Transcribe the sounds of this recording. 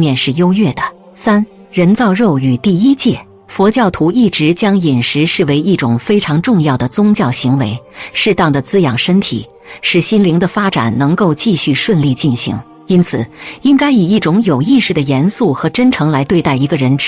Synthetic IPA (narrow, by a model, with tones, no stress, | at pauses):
mjɛ˥˧nʂɻ̩˥˩jo˥ʊɥɛ˥˩d̪ə˩ | sa˥n | ɻə˧˥nt͡sɑ˥˧ʊɻo˥˩ʊy˨˩t̪i˥˩i˥t͡ɕjɛ˥˩ | fwɔ˧˥t͡ɕjɑ˥˩ʊt̪ʰu˧˥i˥˩ʈ͡ʂɻ̩˧˥t͡ɕjɑ˥ŋi˨˩nʂɻ̩˧˥ʂɻ̩˥˩we˧˥ɪʔi˥˩ʈ͡ʂʊ˨˩ŋfe˥ɪʈ͡ʂʰɑ˧˥ŋʈ͡ʂʊ˥˧ŋjɑ˥˩ʊd̪ə˩t͡sʊ˥ŋt͡ɕjɑ˥˩ʊɕi˧˥ŋwe˧˥ɪʂɻ̩˥˧t̪ɑ˥˩ŋd̪ə˩t͡sɹ̩˥jɑ˨˩ŋʂə˥nt̪ʰḭ˨˩ | ʂɻ̩˥˩ɕi˥nli˧˥ŋd̪ə˧fa˥ʈ͡ʂa̰˨˩nnɤ˧˥ŋko˥˧ʊt͡ɕi˥˧ɕy˥˧ʂwə˥˧nli˥˧t͡ɕi˥˩nɕḭ˧˥ŋ | i˥nt͡sʰɹ̩˨˩i˥ŋka˥ɪi˨˩i˥˩ʈ͡ʂʊ˧˥ŋjo˨˩ʊi˥˧ʂɻ̩˥˩d̪ə˩jɛ˧˥nsu˥˩xɤ˧˥ʈ͡ʂə˥nʈ͡ʂʰɤ˧˥ŋla˧˥ɪt̪we˥˧ɪt̪a˥˩ɪi˧˥ɡə˧ɻə˧˥nʈ͡ʂ